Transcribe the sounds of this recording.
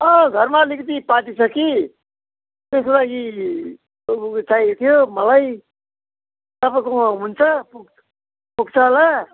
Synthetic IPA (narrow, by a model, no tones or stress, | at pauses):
ʌɡʱʌɾmalikt̪ipaʈ̪it͡sʰʌki | t̪esklaɡi | t͡sajt̪ʰijomʌlaj | t̪ʌpãkoɦunt͡sʰʌpuk | puɡt͡sʰʌla